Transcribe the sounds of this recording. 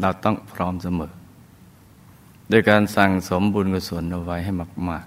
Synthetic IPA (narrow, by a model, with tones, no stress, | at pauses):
ɾa˧˩wt̪ɔ˥˩ŋpʰɾɔː˦˥msa˧mɤː˨˩˦ | doː˧jkaː˧nsa˨˩ŋso˩˦mbuː˧nka˧˩su˨˦ənʔa˧wa˦˥jɦa˥˩jma˧˩k̚maː˥˩k̚